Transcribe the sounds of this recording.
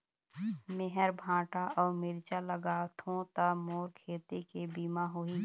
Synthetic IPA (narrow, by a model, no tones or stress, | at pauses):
mɪɦəɾbʱãːʈaʔɔːɾmɪɾt͡ʃaləɡaːt̪ɦõt̪əmoːɾkʰeːt̪ekebiːmaɦoiː